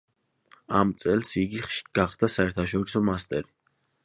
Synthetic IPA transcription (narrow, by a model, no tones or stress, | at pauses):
amt̪sʼɛlˠsiɡiχʃi̥ɡ̥aχd̪asaɛɾt̪ʰaʃɔɾisɔmast̪ʼɛɾi